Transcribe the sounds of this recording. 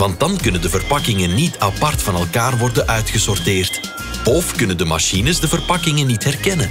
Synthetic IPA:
ʋɑnt̚dɑnkɵnəndəvərpɑkɪŋənːitɑpɑrtfɑnɛlˠkaːrʋɔrdənʔœɥtxəsɔrtɪːrt | ɔfkɵnəndəma̰ʃinəsdəvərpɑkɪŋənːitɦɛrkɛnən

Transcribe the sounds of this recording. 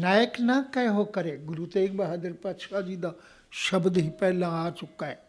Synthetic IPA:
naːjəknɐkɐ̃ɦokɐɾeɡʊɾut̪eːkbɐɦad̪əɾpɐʃʰad͡ʒid̪a | ʃɐbd̪ɦiːpɛɦlãaːt͡ʃʊkːaɛ

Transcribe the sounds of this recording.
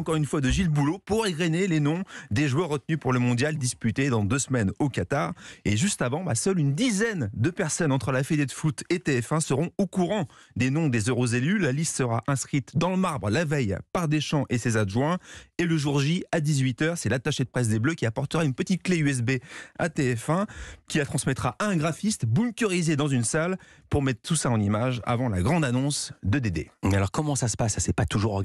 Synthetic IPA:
ɑ̃kɔʁynfwad̪əʒilbulopuʁeɡʁenelenɔ̃d̪eʒwœʁːət̪nypuʁləmɔ̃d̪jald̪ispyt̪ed̪ɑ̃d̪øsmɛnokat̪aʁeʒyst̪avɑ̃ba̰sœlynd̪izɛnd̪əpɛʁsɔnɑ̃t̪χəlafed̪ed̪əfut̪et̪eɛfɛ̃səʁɔ̃okuʁɑ̃d̪enɔ̃d̪ezøʁozelylalist̪səʁa̰ʔɛ̃skχit̪d̪ɑ̃ləmaʁbʁəlavɛjpaʁd̪eʃɑ̃ʔesezaʒwɛ̃eləʒuʁʒiad̪izɥit̪œʁsɛlat̪aʃed̪əpχɛs̬d̪ebløkʲiapɔʁt̪əʁaynpət̪it̪̚kleyɛs̬bea̰t̪eɛfɛ̃kʲilat̪χɑ̃smɛt̪χaʔaɛ̃ɡʁafist̪bumkʲyʁized̪ɑ̃zynsal | puʁmɛt̪χt̪usaɑ̃nimaʒa̰vɑ̃la̰ɡʁɑ̃d̪anɔ̃sd̪əd̪ed̪ḛalɔʁkɔmɑ̃sasə̥passɛpat̪uʒuʁɔ

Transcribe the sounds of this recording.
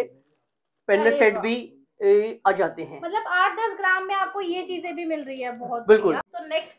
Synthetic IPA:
pɛ̃nːəɾseːʈbʱi | aːd͡ʒaːt̪eɦɛ̃ːmɐt̪ləbaːʈ̚ʰd̪ɐsɡɾaːmːẽaːp̚kojet͡ʃiːzẽbʱimɪlɾɐiɦɛbɔɦt̪̚bɪlkʊlat̪onɛksʈ

